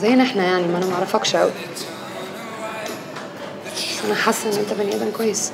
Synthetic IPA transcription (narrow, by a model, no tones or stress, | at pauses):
zæjːnʔeħnæjaʕnilæmːæʔænæmaʕɾˤɑfɑkʃʔæwi | bæsːʔænæħasˤːɑlʔenːʔent̪æbenjæːb̪ænkwæjːes